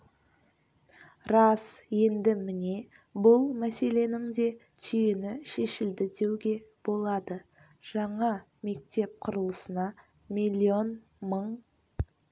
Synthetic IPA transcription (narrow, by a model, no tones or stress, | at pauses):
ɾɑsje̞nd̪ɪmɪne̞ | bʊlˠmæse̞le̞nɪŋd̪e̞ | t̪ʰʏjenɪʃeʃɪld̪ɪd̪e̞wɡʲe̞b̥o̞lˠɑd̪ə | ʒ̥ɑɴɑ | me̞kt̪e̞p̚qʰʊɾəlˠəsənɑ | milʲːio̞n | məɴ